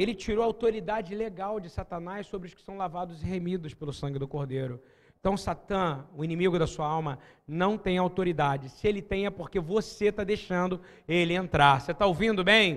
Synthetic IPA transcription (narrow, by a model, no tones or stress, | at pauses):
elɪt͡ʃiɾoɐawt̪oɾid̪ad͡ʒɪleɡawd͡ʒɪsat̪ɐnajʃssobɾɪʊskɪ̥sɐ̃w̃lavad̪ʊzɪhemid̪ʊspelʊsɐ̃ŋɡʲɪd̪ʊkoɾd̪ejɾʊ | ẽt̪ɐ̃w̃sat̪ɐ̃ʊinĩmiɡʊd̪ɐsuɐawmɐ | nɐ̃w̃t̪ẽj̃awt̪oɾid̪ad͡ʒɪsɪelɪt̪ẽj̃ɛpoɾkevoset̪ad̪ejʃɐ̃nd̪ʊ | elɪẽnt̪ɾaset̪aowvĩnd̪ʊbẽj̃